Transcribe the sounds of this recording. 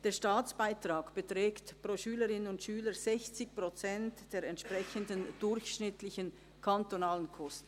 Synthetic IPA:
d̥eːɐʃtaːt͡sb̥aɪtʁ̥aːkb̥ətʁ̥ɛːktpʁoʃyːləʁɪnənʊntʃyːləz̥ɛçt͡sɪçpʁ̥ot͡sɛntd̥eːɾɛntʃpʁ̥ɛçəndənd̥ʊɾçʃnɪtlɪçən | kʰantonaːlənkʰɔstn̩

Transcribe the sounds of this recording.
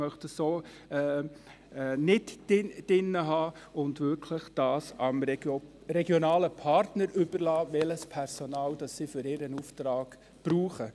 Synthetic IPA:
mœχtəsoː | ɛː | nɪtɪd̥ɪnːəɦɑːʊndʋʏɾkʰləχd̥ɑːsɑm | ɾɛɡjɔnɑːləpʰɑɾtnəɾʏb̥əɾlɑːʋɛləspʰɛɾsonɑːld̥ɑsːiːfʏɾɪːɾənuftɾɑːɡ̥ | b̥ɾuːχə

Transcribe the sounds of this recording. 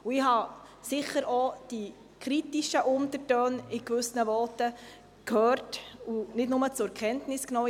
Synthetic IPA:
uɪhɑ | sɪχəɾɔd̥i | kχɾitiʃəʔʊnt̪əɾtœːnɪkʋɵsnəʋɔtə | kʰhœːɾtunɪdnʊmət͡sʊɾɛɾkχɛntnɪsknɔː

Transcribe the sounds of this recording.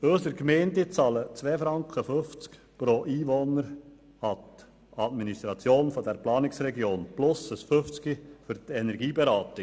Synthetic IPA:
øːsəɾkmeːndit͡sɑlət͡sʋɛːfɾɑŋkχəføft͡sk | pɾoʔiːʋonəɾ | ɑt̪ | ɑtministɾɑt͡sjoːnfɔdɛɾplɑːnɪksɾɛɡjoːnplʊsəsfʏft͡skifʏɾt̪ɛnɛɾɡiːbɛɾɑːt̪ɪ

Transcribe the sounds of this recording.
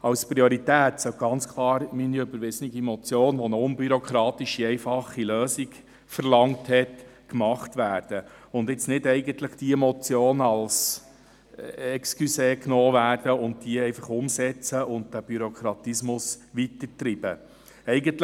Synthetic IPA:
ɑwspɾioɾitæːtsœɡ̥ɑnt͡skʰlˠɑːɾminiøbəɾʋɪznɪɡimɔt͡sjoːnʋɔnəʊnbyɾokχɾɑːtiʃiɛɪfɑχːiløːsik | fəɾlɑŋthɛt | kmɑχtʋæːɾd̥əʊndɪt͡snɪdɛɪɡəntləχd̥iəmɔt͡sjoːnɑls | ɛkskyseːknoːvæːrd̥əʊndd̥iəɛɪfɑχʊmsɛt͡səʊnt̚d̥æb̥yɾokʰɾɑtismʊsʋitəɾtɾib̥ə̰ | ɛɪɡəntl

